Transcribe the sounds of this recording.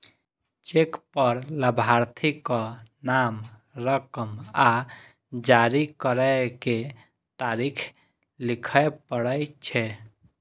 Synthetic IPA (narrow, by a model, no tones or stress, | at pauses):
t͡ʃekpəɾləbʱaɾt̪ʰikɔnamɾəkəma | d͡ʒaɾikəɾəke | t̪aɾikʰ | likʰəjpəɽəjt͡ʃʰɛ